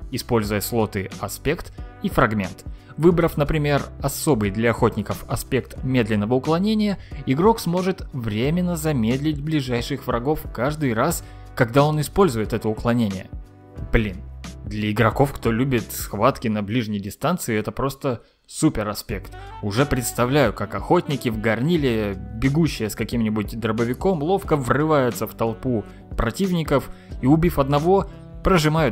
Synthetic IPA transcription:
ɪspo̞lʲzʊjəslˠo̞t̪ɨɐspʲe̞kt̪ifɾɐɡmʲe̞̰nt̪ | vɨbɾəfnəpɾʲɪmʲe̞rɐso̞bɨjd̪lʲɐɐxo̞tʲnʲɪkəfɐspʲe̞kt̪mʲe̞d̪lʲɪnːəvəʊklˠɐnʲenʲɪjəɪɡɾo̞ksmo̞ʐɨt̪vɾʲemʲɪnːəzɐmʲed̪lʲɪt̚ʲblʲɪʐajʂɨxvɾɐɡo̞fkaʐd̪ɨjras | kɐɡd̪ao̞nɨspo̞lʲzʊjɪt̪ɛt̪əʊklˠɐnʲenʲɪ̰jə̰ | b̥lʲind̪lʲəɪɡɾɐko̞fkt̪o̞lʲubʲɪt̪sxvat̪kʲɪnɐblʲiʐnʲɪjdʲɪst̪ant̪sɨɪɛt̪əpɾo̞st̪ə | supʲɪɾɐspʲe̞kt̪ʊʐɛpɾʲɪt̪st̪ɐvlʲæjʊkakɐxo̞tʲnʲɪkʲɪvɡɐrnʲilʲɪbʲɪɡuɕːɪjəskɐkʲimnʲɪbʊt̚ʲd̪ɾəbəvʲɪko̞mlˠo̞fkəvrɨvajʊt̪səft̪ɐlˠpu | pɾɐtʲivnʲɪkəf | iʊbʲifɐd̪nɐvo̞ | pɾəʐɨmajʊ

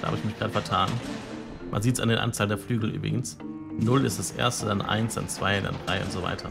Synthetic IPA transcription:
d̥aha̰bɪçmɪçɡ̥ʁaːdəfɛɐtʰaːn | mʔa̰nziːtsandeːnʔa̰nt͡saːləndeːɐflyːɡl̩ʔy̰ːbʁɪ̰ɡn̩s | nʊlɪstd̥asʔḛːɐstədanʔa̰ɪnsd̥a̰nt͡sv̥aɪda̰ndʁaɪʔʊ̰ntz̥ova̰ɪtʰɐ̰

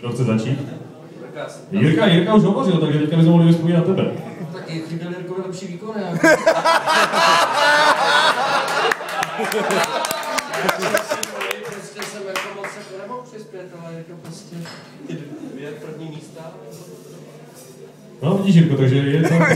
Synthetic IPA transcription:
oxt͡sɛzat͡ʃiːt̪ | jɪɾkajɪɾkauʒɦovoɾɪlt̪aɡʒɛvɛckabɪzmɛmoɦlɪlɪspojitnat̪ɛbɛ̰not̪akɛɪdɛljɪɾkonalɛpʃiːviːkona | ɛoɛpɾoscɛsɛmjakovasɛkt̪ɛɾɛmalpr̥ɪspjɛt̪alɛjɛt̪opɾoscɛ | ɛpr̩vɲiːmiːst̪a | noviɟiːʃiɾkot̪aɡʒɛjɛsa

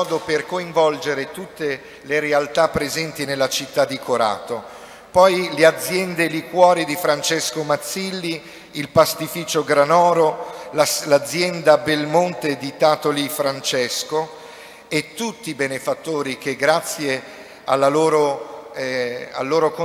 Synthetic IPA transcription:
ɔːd̪operkoiɱvɔld͡ʒeɾet̪ut̪ːe | leɾealt̪apːɾezɛnt̪inelːat͡ʃit̪ːad̪ːikoɾa̰ːt̪o | pɔjlead̪zjɛnd̪elikwɔːɾid̪ifɾant͡ʃɛskomat̪sːilːi | ilpast̪ifiːt͡ʃoɡɾanɔːɾolalad̪zːjɛnd̪abelmont̪ed̪it̪aːt̪olifɾant͡ʃɛsko | et̪ːut̪ːibenefat̪ːoːɾikeɡɾat̪sːje | alːaloːɾo | a̰lːoːɾoko

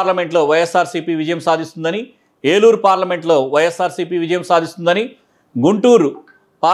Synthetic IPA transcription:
lɐme̞ɳʈlo̞ːʋɐjesːaːɾsiːpiːʋid͡ʒɐjɐmsaːd̪ʱist̪und̪ɐni | eːluːɾpaːɾlɐme̞ɳʈlo̞ːʋɐjesːaːɾsiːpiːʋid͡ʒɐjɐmsaːd̪ʱist̪und̪ɐni | ɡuɳʈuːɾu | paː

